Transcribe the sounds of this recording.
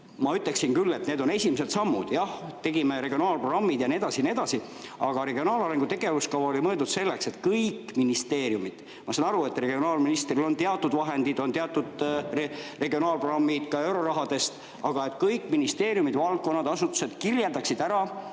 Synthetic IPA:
mɑyt̪le̞ksinkylːe̞t̪ne̞ːd̪o̞ne̞sʲimeset̪sɑmːud̪̥jɑht̪e̞ɡimeɾe̞ɡio̞nɑːlproɡrɑmːid̪jɑnie̞d̪̥ɑsinied̪ɑsi | ɑɡ̥ɑɾe̞ɡio̞nɑːlɑɾe̞ŋɡ̥ut̪e̞ɡ̥e̞vuskɑvɑolimɤe̞ld̪ud̪se̞lːe̞kset̪kɤjkːminist̪e̞ːɾjumid̪̥ | mɑsɑnɑɾue̞t̪ːre̞ɡio̞nɑːlminist̪rilo̞nt̪eɑt̪ːˑud̪̥vɑɦe̞nd̪id̪o̞nt̪eɑt̪ːˑud̪̥ | re̞ɡio̞nɑːlproɡ̥rɑmːid̪̥kɑe̞wɾo̞ɾɑɦɑd̪e̞st̪ | ɑɡ̥ɑe̞t̪kɤjkːˑminist̪e̞ːɾijumid̪̥vɑlk̚kːo̞nːɑd̪ɑsut̪ːˑu̥se̞d̪̥kirjeld̪ɑksid̪̥æɾɑ

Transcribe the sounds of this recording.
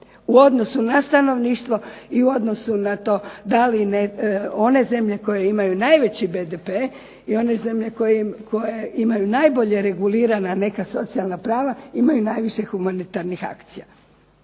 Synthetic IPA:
uo̞d̪no̞sunast̪ano̞ʋniːʃt̪ʋo̞iuo̞d̪no̞sunat̪o̞ːd̪alineo̞ne̞ze̞mʎe̞ko̞jeimajunajʋe̞t͡ɕibed̪epe | io̞ne̞ze̞mʎe̞kojeko̞jeimajunajbo̞ʎe̞ɾe̞ɡuliːɾanane̞kaso̞t̪sialˠnapɾaːʋaimajunajʋiʃe̞xumanit̪aɾnixa̰kt̪sija

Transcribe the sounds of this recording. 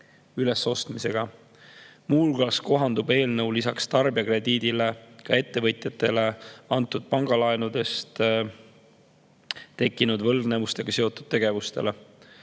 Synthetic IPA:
yle̞sːo̞st̪mise̞ɡ̥ɑ | muːlɡ̥ɑːsko̞ɦɑnd̪ube̞ːlnɤwlisɑkst̪ɑrbiɑkre̞d̪iːd̪̥ile̞kɑe̞t̪ːe̞vɤt̪ˑjɑt̪ːˑe̞le̞ɑnt̪ːˑud̪̥̚pɑŋɡ̥ɑlɑenud̪e̞st̪ | t̪e̞kːinud̪vɤ̞ld̥̪ne̞vust̪e̞ɡ̥ɑseo̞t̪ːˑud̪̥̚t̪e̞ɡ̥e̞vust̪e̞̰le̞

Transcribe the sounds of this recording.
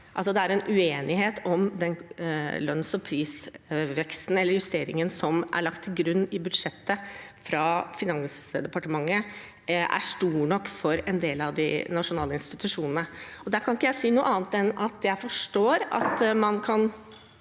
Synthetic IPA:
ʔɑls̬ɔd̪ɛæɾɛnʔʉeːnɪɦeːt̪ʰɔmd̪ɛnlœnsɔpʰɾiːsʋɛkst̪n̩ɛlːəɾjʉst̪eːɾɪŋənsɔmʔæ̰ɭɑkt̪ʰːɪlɡɾʉnːɪbʉd̪ʂɛt̪ːəfɾɑfɪnɑŋsd̪ɛpɑʈəmɑŋːə | ʔæ̰ʂʈuːɳɔkːfɔɾɛnd̪eːlɑʋd̪ɪ̰nɑʂʊnɑːləɪnst̪ɪt̪ʉʂuːnənəɔd̪æɾkʰɑnɪkːəjæɪsiːnuːʔɑːnt̪ɛnɑt̪jæɪfɔʂʈoːɾɑ̰t̪mɑnkʰɑn

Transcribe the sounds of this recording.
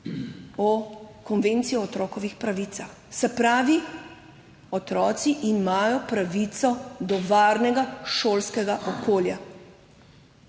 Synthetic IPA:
ɔkɔnʋeːnt̪sijɔɔt̪ɾɔːkɔʋixpɾaʋiːt̪sax | sɛpɾaːʋi | ɔt̪ɾɔːt̪siʔimaːjɔpɾaʋit̪sɔd̪ɔʋaːɾnɛɡaʃoːlskɛɡaʔɔkoːlja

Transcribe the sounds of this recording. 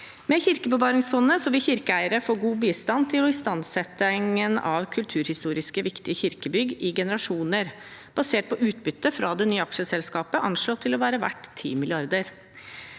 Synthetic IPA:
mɛçɪɾkəbəʋɑːɾɪŋsfɔnːəsɔʋɪlçɪɾkəæɪəɾəfoːɾɡuːbiːst̪ɑnt̪ʰɪlɔɪst̪ɑnsɛt̪ːəŋənɑ̰ʋkʰʉlt̪ʰʉːɾhɪst̪uːɾɪskəʋɪkt̪ɪəçɪɾkəbʏɡɪɡɛnəɾɑʂuːnəɾ | b̥ɑseːʈ̚pʰɔʔʉːt̪bʏt̪ːəfɾɑd̪ɛnyːəɑkʂəsɛlskɑːpəʔɑnʂɭoːt̪ʰɪlɔʋæːɾəʋæ̰ʈːt̪ʰːḭːmɪlɪɑɾd̪əɾ

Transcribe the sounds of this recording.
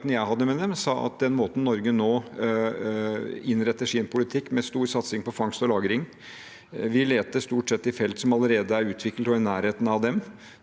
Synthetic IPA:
t̪nəjæɪɦɑd̪ːəmɛd̪ɛmsɑːʔɑ̰t̪̚d̪ɛnmoːt̪n̩nːɔɾɡənoː | ɪnɾɛt̪ːəʂinpʰʊlɪt̪ʰɪkːmɛst̪uːɾsɑt̪sɪŋpɔfɑŋst̪ɔlɑːɡəɾɪŋ | ʋɪleːt̪əst̪uːʈsɛt̪ːɪfɛlt̪sɔmɑləɾeːd̪əæɾʉːt̪ʰʋɪklət̪ɔɪnæːɾheːt̪n̩ɑʋd̪ɛm

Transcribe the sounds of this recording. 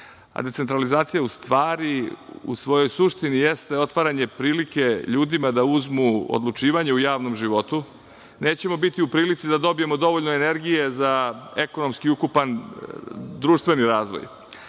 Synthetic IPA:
a̰d̪esent̪ɾalizaːt̪sijaust̪ʋaːɾiṵsʋo̞jo̞jsuʃt̪inijest̪e̞o̞t̪ʋaɾaɲe̞pɾiːlike̞ʎuːd̪imad̪auzmuo̰d̪lˠut͡ʂiːʋaɲeujaːʋno̞mʒiʋo̞t̪u | ne̞ːt͡ɕe̞mo̞bit̪iupɾiːlit̪sid̪ad̪o̞bije̞mo̞d̪o̞ʋo̞ʎnoene̞ɾɡije̞zaeko̞no̞mskiukupan | d̪ɾuːʃt̪ʋe̞niɾaːzʋo̰j

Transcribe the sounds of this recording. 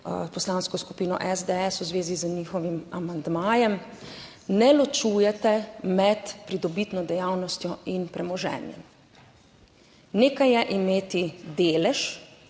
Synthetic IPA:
pɔslaːnskɔsku̥piːnɔ̰ʔɛzd̪ɛɛsuzʋeːzizəniːxɔʋimamand̪maːjɛm | nɛlɔt͡ʃuːjɛt̪ɛmɛt̪pɾid̪ɔbit̪nɔd̪ɛjaːwnɔst̪jɔinpɾɛmɔʒɛ̰ːnjɛ̰m | neːkajɛʔimeːt̪id̪eːlɛʃ

